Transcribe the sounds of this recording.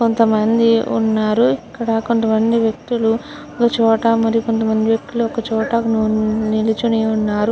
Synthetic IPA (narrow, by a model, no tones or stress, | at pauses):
ko̞nt̪ɐmɐnd̪iṵnːaːɾuikːɐɽɐko̞nt̪ɐmɐnd̪iʋjɐk̚t̪ulu | ɔkɐt͡ʃɔːʈɐmɐɾijuko̞nt̪ɐmɐnd̪iʋjek̚t̪uluɔkɐt͡ʃɔːʈɐnunilit͡ʃuniunːaːɾu